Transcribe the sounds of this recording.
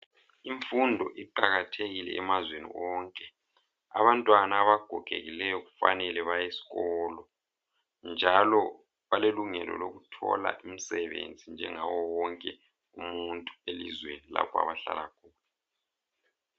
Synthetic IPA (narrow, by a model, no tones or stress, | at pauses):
iɱfundʱɔʔiǃaɣatʰeɣilɛ̰ːmazwenḭwɔːŋkʼɛ | a̰βantʼwanaːβaɡ̥ʱɔɡ̥ʱḛɣilɛjɔɣufa̰nɛlɛβajesi̥ɣɔːlɔ | nd͡ʒʱalɔ | βaleluŋɛlɔ̰loɣutʰɔ̰la̰ʔimisɛβḛnd͡zʱind͡ʒʱɛŋawɔwɔŋkʼɛ | ṵmuntʼuelizwenila̰pʰɔa̰βaɬa̰lakʰuːla